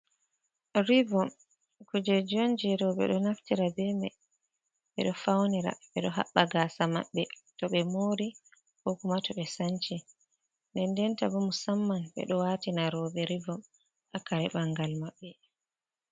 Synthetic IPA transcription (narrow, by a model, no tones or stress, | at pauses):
ɾivɔm | kud͡ʒɛd͡ʒond͡ʒiɾɔɓɛ̰ɗɔnaftiɾabɛmɛ̰ | ɓɛ̰ɗɔfawniɾa̰ɓɛɗɔɦa̰ɓːaɡasama̰ɓːɛtɔɓɛmoːɾi | hokumatɔɓɛsaɲt͡ʃi | ndɛndɛntabɔmusamːanɓɛ̰ɗɔwaːtinaɾɔɓɛɾivɔm | ʔakaɾɛɓaŋɡalmaɓːɛ